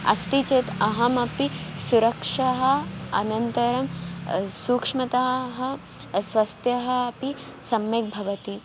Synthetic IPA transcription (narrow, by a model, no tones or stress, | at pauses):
ɐ̰st̪it͡ʃeːt̪ɐɦɐmɐpisuɾɐkʂɐɦɐ̆ɐ̰nɐnt̪ɐɾɐmsuːkʂmɐt̪aːɦɐ | sʋɐst̪jɐɦɐɐpi | sɐmjek̚bʱɐʋɐt̪i